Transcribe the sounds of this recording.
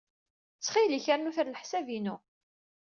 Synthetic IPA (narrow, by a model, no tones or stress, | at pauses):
t͡sːχiliçəɾnuθəɾləħsævinu